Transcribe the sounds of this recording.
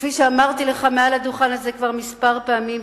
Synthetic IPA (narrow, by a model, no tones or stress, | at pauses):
fiʃeamaʁt̪ile̞χamealad̪uχanazekvaʁmispaʁpeamim